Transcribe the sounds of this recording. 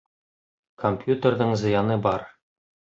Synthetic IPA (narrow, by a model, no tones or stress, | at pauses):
kʰompʲjut̪ərd̪ɤɴzɤ̆jɑnɤbɒɾ